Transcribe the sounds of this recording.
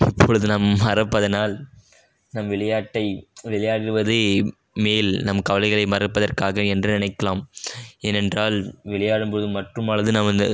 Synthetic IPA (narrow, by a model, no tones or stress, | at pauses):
ɪpːɔɻɯðɯnɐmːɐrɐpːɐðɐnaːl | nɐmʋɪɭɐjaːʈːɐɪʋɪɭɐjaːɽɪɾɯʋɐðɯ | meːlnɐmkɐʋɐlɐɪɣɐɭɐɪmɐrɐpːɐðɐrkaːɣɐɛndrɯnɪnɐɪkːɐlaːmeːnɛndraːlʋɪɭɐjaːɽɯmpɔɯðɯmɐʈrɯmɐɭɐðɯnaːmɪnd̪ɐ